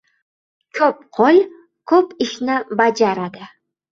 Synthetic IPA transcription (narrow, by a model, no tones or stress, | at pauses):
kʲʰɵp̚qʰolʲ | kʰɵpiʃnabad͡ʒaɾad̪ɪ